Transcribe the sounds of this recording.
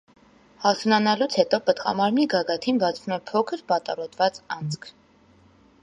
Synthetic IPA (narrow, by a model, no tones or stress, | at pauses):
hɑt̪ʰunɑnɑlut͡sʰhɛt̪ɔpət̪qɑ̰mɑɾmniɡɑɡɑt̪ʰinbɑt͡sʰvumɛpʰɔkʰəɾbɑt̪ɑrɔt̪vɑt͡sɑnt͡skʰ